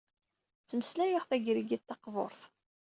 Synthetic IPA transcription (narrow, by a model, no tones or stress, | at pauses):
t͡sːəməslæjəʁθæɡɾiɡiθt̪ɑqvo̰ɾθ